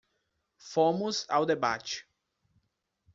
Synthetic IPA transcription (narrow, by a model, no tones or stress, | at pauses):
fõmʊza̰wd̪eba̰t͡ʃɪ̥